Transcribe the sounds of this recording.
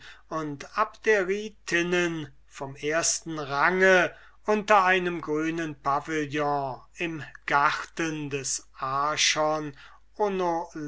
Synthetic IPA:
ʊntapd̥eɐʁiːtʰɪnən | fɔmeːɐstn̩ʁaŋə | ʔʊntɐaɪnəmɡʁyːnənpavɪljɔ̃ɪmɡ̥aʁtəndɛsʔaʃɔn | ʔonol

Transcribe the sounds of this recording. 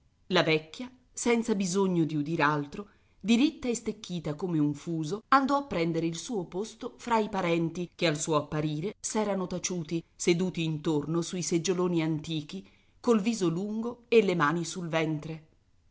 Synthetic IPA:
lavɛkːja | sɛnt̪sabizoɲːod̪iud̪iːɾealt̪ɾo | d̪iɾit̪ːaest̪ekːiːt̪akomeuɱfuːzoand̪ɔapːɾɛnd̪eɾeilsuːopost̪ofɾaipaɾɛnt̪ikealsuːoapːaɾiːɾesɛːɾanot̪at͡ʃuːt̪ised̪uːt̪iːnt̪ornosuised͡ʒoloːniant̪iːk̟i | kolviːzoluŋɡoelːemaːnisulvɛnt̪ɾe

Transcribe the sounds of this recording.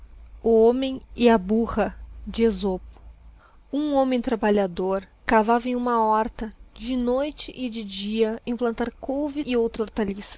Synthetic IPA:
ʊõmẽj̃ɪɐbuhɐd͡ʒɪezopʊ̥ | ũõmẽj̃t̪ɾabaʎad̪oɾ | kavavẽj̃ũmɐɔɾt̪ɐd͡ʒɪnojt͡ʃɪʔɪd͡ʒɪd͡ʒiɐẽplɐ̃nt̪aɾkowviɪɪowt̪ɾɐoɾt̪alisɐ̥

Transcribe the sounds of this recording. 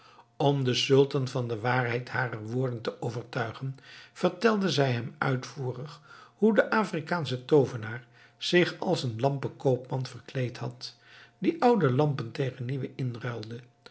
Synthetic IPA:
ɔmdəsɵlˠtɑnvɑndəʋaːrɦɛjtɦaːrəɹʋʊːɹdəntəʔowvəɹtœɥχənv̥əɹtɛlˠdəzɛjɦɛmœ̰ɥtfuːrəχhudəʔaːfrikaːnsətowvənaːɹ | z̥ɪχɑ̰lˠsənlɑmpəkowpmɑnv̥ərklejthɑt | diʔʌwdəlɑmpəntejχənːiʋəʔɪnrœlˠdə

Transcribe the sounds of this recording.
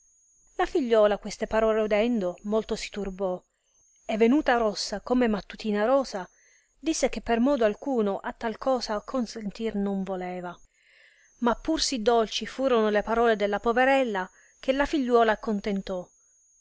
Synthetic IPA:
lafiʎːɔːlakwest̪epaɾɔːleod̪ɛnd̪omolt̪osi̥t̪urbɔ | evːenuːt̪aɾɔsːakomemat̪ːut̪iːnaɾɔːsa | d̪isːek̟epːermɔːd̪oalkuːnoʔat̪ːalkʰɔːsakʰonsent̪irnoɱvolɛːva | mapːursid̪ːolt͡ʃifuːɾonolepaɾɔːled̪elːapoveɾɛlːa | k̟ʰelafiʎːwɔːlakont̪ent̪ɔ

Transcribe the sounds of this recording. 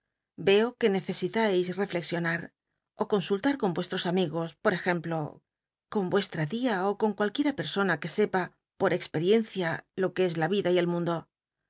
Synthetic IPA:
be̞o̞ke̞ne̞θe̞sit̪ajsre̞fle̞ksjo̞naɾ | o̞ko̞nsult̪aɾko̞mbwe̞st̪ɾo̞samiɣo̞spo̞ɾe̞xe̞mplo̞ | ko̞mbwe̞st̪ɾaðiaoko̞ŋkwalkje̞ɾape̞ɾso̞nake̞se̞pa | po̞ɾe̞kspe̞ɾje̞n̟θjalo̞kee̞zlaβiðaie̞lmũnd̪o̞

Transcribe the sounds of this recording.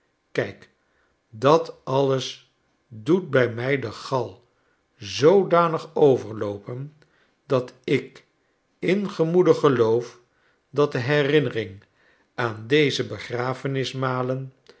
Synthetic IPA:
kɛjk | dɑtɑləs | dut̚bɛjmɛjdəχɑlˠ | zowdaːnəχowvəɹlowpən | d̥ɑtɪk | ɪnχəmudəχəlowf | dɑt̚dəɦɛrɪnərɪŋ | aːndejzəbəχraːfənɪsmaːlən

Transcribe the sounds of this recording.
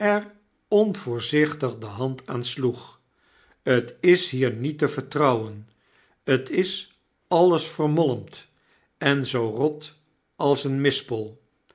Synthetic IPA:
ɛɹ | ɔnvʊːɹzɪχtəχdəɦɑntʰaːnsluχ | ətɪsɦiːɹnitəvəɹtrɑwən | ətʰɪs | ɑləsfərmɔləmt | ɛnzowrɔt | ʔɑlˠsənmɪspɔlˠ

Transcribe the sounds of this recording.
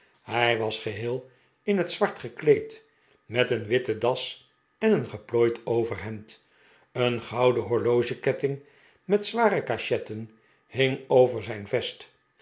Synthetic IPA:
hɛjʋɑsχəɦɪːlˠ | ɪnɦətsʋɑɹtχəklejt | mɛtənʋɪtədɑs | ɛnənχəploːjtowvərɦɛnt | ənχɑwdəɦʊɹlowʒəkɛtɪŋ | mɛtsʋaːɾəkaʃɛtən | hɪŋowvəɹzɛjnvɛst

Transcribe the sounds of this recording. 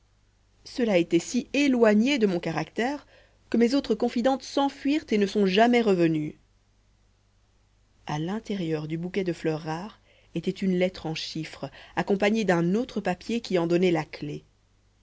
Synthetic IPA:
səlaet̪ɛsielwaɲed̪əmɔ̃kaʁakt̪ɛːʁ | kəmezot̪χəkɔ̃fid̪ɑ̃t̪sɑ̃fɥiʁt̪enəsɔ̃ʒamɛʁəvəny | alɛ̃t̪eʁjœʁd̪ybukʲɛd̪əflœʁːaːʁ | et̪ɛt̪ynlɛt̪χɑ̃ʃifχakɔ̃paɲed̪ɛ̃not̪χəpapjekʲiɑ̃d̪ɔnɛlakle

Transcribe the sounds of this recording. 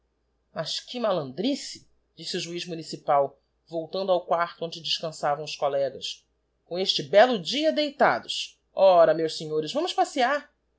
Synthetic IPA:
mɐʃkɪmalɐ̃nd̪ɾisɪ̥ | d͡ʒisɪʊʒuiʒmunisipaw | vowt̪ɐ̃d̪ʊawkwaɾt̪ʊõd͡ʒɪd͡ʒɪʃkɐ̃savɐ̃w̃ʊʃskolɛɡɐs | kõeʃt͡ʃɪbɛlʊd͡ʒiɐd̪ejt̪a̰d̪ʊs | ɔɾɐmewʃseɲoɾɪʃvɐ̃mʊʃpasiaɾ

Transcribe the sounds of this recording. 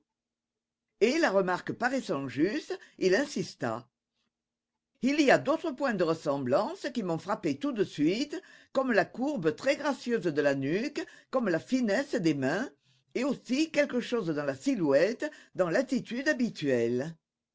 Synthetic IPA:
elaʁəmaʁkəpaʁɛsɑ̃ʒyst̪ilɛ̃sist̪a̰ | iliad̪ot̪χəpwɛ̃d̪əʁəsɑ̃blɑ̃səkimɔ̃fχapet̪ud̪əsɥit̪kɔmlakuʁbət̪χɛɡʁasjøzd̪əlanykkɔmlafinɛsd̪emɛ̃ | eosikɛlkəʃozd̪ɑ̃lasilwɛt̪d̪ɑ̃lat̪it̪yd̪abit̪ɥɛl

